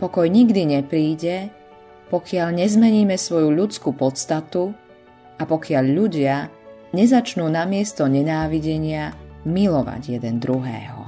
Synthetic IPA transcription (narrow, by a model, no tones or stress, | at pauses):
pɔkɔjɲiɡd̪iɲɛpɾiːɟɛ | pɔkɪaʎɲɛzmɛɲiːmɛsʋɔjuʎut͡skupɔt̪st̪at̪u | ʔapɔkɪaʎʎuɟɪa | ɲɛzat͡ʃnuːnamɪɛst̪ɔɲɛnaːʋiɟɛɲɪamilɔʋa̰ɟjɛd̪ɛnd̪ɾuɦɛ̰ːɦɔ̰